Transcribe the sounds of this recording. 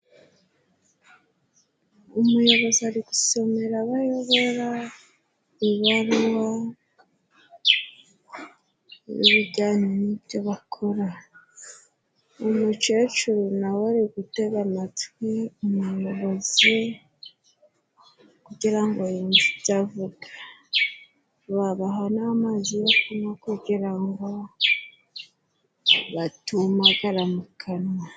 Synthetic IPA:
umujo̞βo̞ziaɾiɡuse̞me̞ɾaβajo̞βo̞ɾa | βiβaɾwa | βḭβiɟaːɲenibjo̞βakʰoɾa | umut͡ʃe̞ːt͡ʃuɾunawaɾiɡuteɡamatwiumuoβozi | kuɟiɾaŋɡojinzitavuɡa | βaβaɦonamazijokunakuɟiɾaŋɡo̞ | βatumaɡaɾamukʰanwa

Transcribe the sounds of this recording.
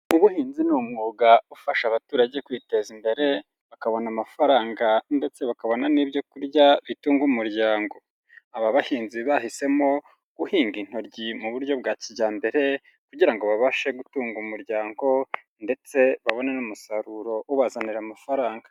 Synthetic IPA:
uβuhiːnzinumŋuːɡaufaʃaβatuːɾaɟe̞kwiːte̞zimbe̞ɾe̞ | βakaβo̞namafaɾaːŋɡande̞t͡se̞βakaβo̞naniːbjo̞kuɾɟaβituːŋɡumuɾɟaːŋɡo̞ | aβaβahiːnziβahise̞mo̞ | ɡuhiːŋɡin̥o̞ɾɟimuβuɾɟo̞bɡaːciɟaːmbe̞ɾe̞ | kuɟiɾaŋɡo̞βaβaʃe̞ɡutuːŋɡumuɾɟaːŋɡo̞ | nde̞t͡se̞βaβo̞nanumusaɾuɾo̞uβazaniɾamafaɾaːŋɡa

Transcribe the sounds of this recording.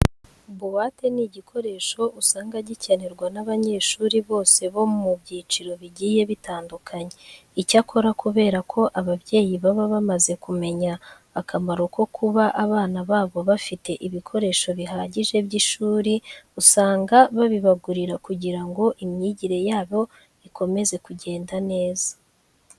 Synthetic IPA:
uβuwate̞niɟikʰo̞ɾe̞ʃo̞usaːŋɡaɟicaneɾɡwanaβaɲe̞ːʃuːɾiβo̞ːse̞βo̞mmubɟiːt͡ʃiɾo̞βiɟiːje̞βitaːndukʰaɲe̞ | icakʰo̞ɾakuβe̞ːɾakʰo̞ʔaβaβɟe̞ːjiβaβaβamaze̞kume̞ɲaː | kʰamaɾoko̞kʰuβaʔaβaːnaβaːβo̞βafite̞ʔiβikʰo̞ɾe̞ʃo̞βiɦaːɟiʒe̞bɟiʃuːɾiusaːŋɡaβaβiβaɡuɾiɾakuɟiɾaŋɡo̞ʔimɲiːɟiɾe̞jaːβo̞ | iko̞me̞ze̞kuɟe̞ːndane̞ːzḁ

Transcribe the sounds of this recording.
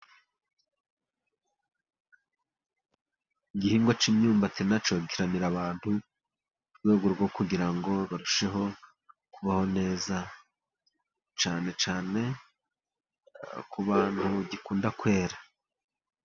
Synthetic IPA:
iɡihiːŋɡo̞t͡ʃimɲuːmbat͡senat͡ʃo̞ɡiɾaniɾaβaːnhu | uɾɡwe̞ːɡo̞ɾɡwo̞kuɡiɾaŋɡo̞βaɾuʃe̞ɦo̞ | kuβaho̞ne̞ːza | t͡ʃaːne̞t͡ʃaːne̞ | kuβaːnhuɟikuːndakwe̞ːɾa

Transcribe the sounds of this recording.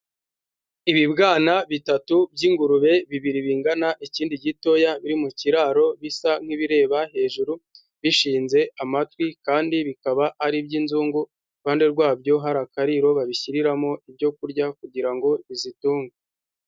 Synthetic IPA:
iβibɡaːnaβitatubɟiːŋɡuɾuβe̞βiβiɾiβiːŋɡanaʔiciːndiɟito̞jaβiɾimuciɾaːɾo̞βisaŋ̥iβiɾe̞ːβahe̞ʒuɾu | βiʃiːnze̞amatwikaːndiβikaβaʔːɾibɟiːnzuːŋɡu | βaːnde̞ɾɡwaːbɟo̞ɦaɾakaɾiɾo̞βaβiçiɾiɾamo̞ʔibɟo̞kuɾɟak̚uɟiɾaŋɡo̞βizituːŋɡe

